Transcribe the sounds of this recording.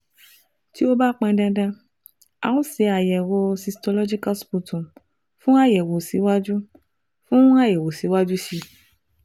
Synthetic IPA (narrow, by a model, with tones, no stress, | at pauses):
ti˦o˦ba˦k͡pɛ̃˧dã˧dã˧ | ã̰˨ũ˦se˨˧˦a˨jɛ˨wo˧si˧stɔ˧lɔ˦d͡ʒi˦ka˦spu˧tũ˨ | fũ˦a˦˨jɛ˨wo˨si˨˦wa˦d͡ʒu˦ | fũ˦a˦˨jɛ˨wo˨si˨˦wa˦d͡ʒu˦ʃi˧